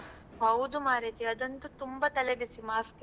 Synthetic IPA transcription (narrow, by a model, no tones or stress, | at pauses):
ɦɐud̪umaːɾet̪iɐd̪ɐnt̪ut̪umbɐt̪ɐleʋisimaːsk